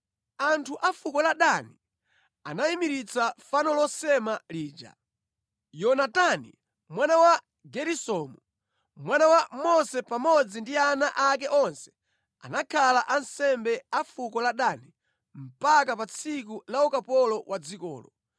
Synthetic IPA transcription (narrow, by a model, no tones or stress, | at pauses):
antʰuʔafukɔlaɗani | anaimiɾit͡safanɔlɔsɛmaliːd͡ʒa̰ | jɔnatanḭ | mwanawa | ɡɛɾisɔmu | mwanawamɔsɛpamɔd͡zindianaʔakɛʔɔnsɛ̥ | a̰nakʰalaʔansɛmbɛafukɔlaɗani | m̩pak̬apat͡sʰikulaukapɔlɔwʔad͡zikɔ̰ːlɔ